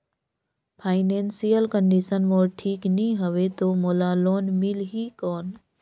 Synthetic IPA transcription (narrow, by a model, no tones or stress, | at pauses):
pʰaːɪneːnsijəlkəɳɖisənmoːʈʰiːknĩɦəʋet̪oːmoːlaloːnmilɦiːkɔːn